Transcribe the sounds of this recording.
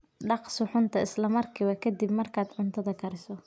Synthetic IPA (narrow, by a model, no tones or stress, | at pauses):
ɖɑqsɪħʊnt̪ʰɐɪslɐmɐrkʰɪːwɐkʰɐd̪ibmɐrkʰaːd̪ʕʊnt̪ʰɐðɐkʰɐɾɪsɔ